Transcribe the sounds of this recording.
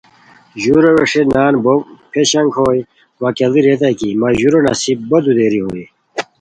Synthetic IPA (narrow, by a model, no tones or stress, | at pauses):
ʑuɾoʋeʂenaːnbopʰeɕɐŋkʰoːj | ʋɐːkeliɾet̪̬ɐkimɐʑuɾonɐ̰sibbod̪ud̪eːɾiɦoːj